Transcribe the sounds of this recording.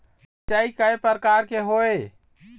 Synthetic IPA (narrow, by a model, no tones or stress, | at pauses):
t͡ʃəikəepəɾkaɾkeɦoe